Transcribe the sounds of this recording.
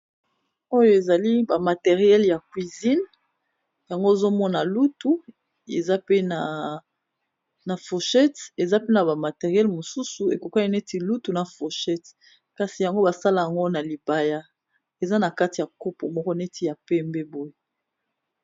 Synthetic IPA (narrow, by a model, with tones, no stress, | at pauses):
o˦jo˦e˨za˨li˦ba˨ma˨te˨ʁi˨ɛ˦lja˨kwi˨zi˦n | ja˨ŋɡo˦e˨zo˦mɔ˦na˨lu˦tu˨ | e˨za˦pe˦na˨ | na˨fo˨ʃɛ˦te˨za˦pe˦na˨ba˨ma˨te˨ʁjɛ˦lmo˨su˦su˨e˨ko˨ka˦i˦ne˦ti˦lu˦tu˨na˨fo˨ʃɛ˦t | ka˨si˨ja˨ŋɡo˦ba˨sa˦la˦ja˨ŋɡo˦na˨li˨ba˦ja˦ | e˨za˦na˨ka˦ti˨ja˨ko˦po˨mɔ˦kɔ˦ne˦tʰi˦˨ja˨pɛ˦mbɛ˦bo˦je˨